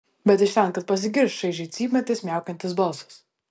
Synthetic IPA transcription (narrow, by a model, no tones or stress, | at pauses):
bʲɛt̪ɪʃt̪ʲɛnˑkɐt̪̚pɐs̬ʲɪɡʲɪɾsʃɐɪʒʲɛt̪sʲiːmʲɛt̪ʲɪsʲmʲæˑʊkʲɛnʲt̪ʲɪs̬bɐlˠsɐ̥s